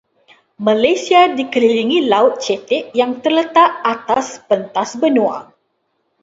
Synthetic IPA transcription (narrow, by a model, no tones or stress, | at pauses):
malajsiadikəliliŋilaʊt̪̚t͡ʃɛt̪ɪʔjaŋt̪ərlət̪aʔat̪aspənt̪asbənũa̰